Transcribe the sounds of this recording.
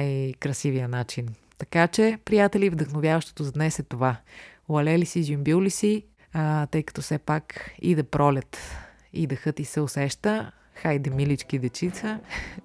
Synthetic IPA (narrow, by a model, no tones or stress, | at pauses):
jkɾɐsivijənat͡ʃin | t̪ɐkat͡ʃɛpɾijat̪ɛlivd̪əxnovjavəʃt̪o̥t̪ozɐd̪nɛsɛt̪ovavɐlɛlisizʲjumbjuwlisi | t̪ɤjkə̥t̪ɔfsɛpakḭd̪ɐpɾɔlʲət̪ | id̪ɐxɤt̪isɛosɛʃt̪ə | xajd̪ɛmilit͡ʃkid̪ɛt͡ʃit̪sə